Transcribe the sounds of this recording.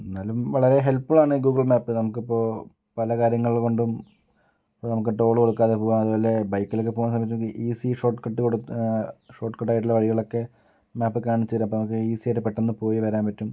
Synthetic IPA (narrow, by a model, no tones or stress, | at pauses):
enːaːlumʋɐɭɐɾe̞ɦe̞lpːɨɭaːɳɨɡuːɡɐɭmaːpːɨnɐmukːipːo̞ː | pɐlɐkaːɾjɐŋːɐɭiko̞ɳɖum | pːoːnɐmuk̬ːeʈːeo̞ːɭuko̞ɽukːaːðepoːɣaːmɐðupoːle̞bɐjkːɐlokːɨpoːnsɐmːbɐt̬ːkːʔiːsiʂo̞ːʈːkɐʈːɨkoɽu | ʂo̞ːʈːkɐʈːaːjiʈ̬ːilːɐʋɐɻiɣɐɭo̞kːe̞ | maːpːɨkaːɳit͡ɕːɐɾampoːnɐmukːɨiːsieʈːɨpeʈːenːɨpo̞ːjiʋɐɾaːnpɐtːum